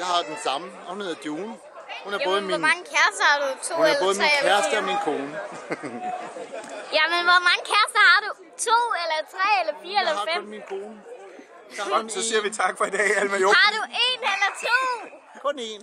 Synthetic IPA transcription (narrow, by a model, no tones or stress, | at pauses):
jɑhɑ̈d̥ensɑ̈mə | hunhe̝ðˠd̥joːn | hunæɐ̥ɔ̽ːð̩ˠəmiɒnmɑ̈ŋəkʰæɐsd̥ɐhɑ̈ɾut͡sʰo̝̰eɐlɐbɔ̽ːð̩ˠmʁiɛ̰kʰæɐsd̥əɒminkʰo̝ːnə | jæmənʋɒmɑ̈ŋəkʰæɐsd̥ɐhɑ̈ɾ̥u | t͡sʰo̝̰ːelɐt͡sʰʁɛ̰ːelɐfiːɐelɐfem̩minkʰo̝ːnə | sɒ̽siːɐʋit͡sʰɑ̈ɡ̥fɒ̽id̥ɛ̰ːælmæhɑ̈duʔe̝ːnelɐt͡sʰo̝̰ː | kʰɔnen